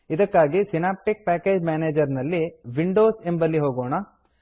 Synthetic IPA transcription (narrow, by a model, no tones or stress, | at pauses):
id̪ɐkːaːɡisinaːp̚ʈik̚paːke̞ːd͡ʒmjaːneːd͡ʒɐɾnɐlːiʋiɳɖoːsembɐlːiɦoːɡoːɳɐ